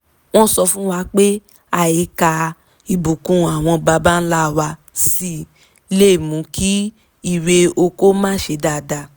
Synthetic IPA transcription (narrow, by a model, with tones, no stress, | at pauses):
w̃ɔ̃˦sɔ˧fũ˦wa˧˦k͡pe˦ | a˨je˨˦ka˧ | i˨bu˨kũ˨˦a˨w̃ɔ̃˧ba˧ba˦n̩˦la˦˨wa˧ | si˦˨˦ | le˦˨mũ˨˦kʰi˦ | i˦˨ɾe˧o˧ko˦mãː˦˨ʃe˧˦da˨da˧˨